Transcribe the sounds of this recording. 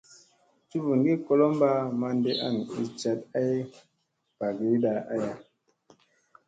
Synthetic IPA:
t͡ʃu˦vu˨ŋɡi˦ko˦lo˦mba˦ma˧nde˦ʔa̰˦˨ni˨t͡ʃa˦ta˦ji˦ | pa˨ɡi˨i˦da˨a˦ja˨

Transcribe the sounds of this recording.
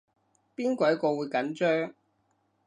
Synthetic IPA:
piː˥nkʷɐ˨˥˦kɔː˧wuː˨˧jkɐ˨˥nt͡ʃœː˥ŋ

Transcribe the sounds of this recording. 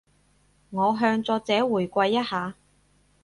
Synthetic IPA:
ŋɔː˨˧ɦœː˧ŋt͡sɔː˧t͡sɛː˨˥wuː˨˩jkʷɐ˧jːɐ˥t̚haː˨˧

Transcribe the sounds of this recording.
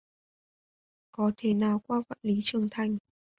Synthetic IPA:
kɔ˨˦t̪ʰe˧˩naː˨˩wkwaː˧fa̰ː˧˨nli˨˦t͡ɕɨ˨˩əŋt̪ʰa˨˩jŋ̟

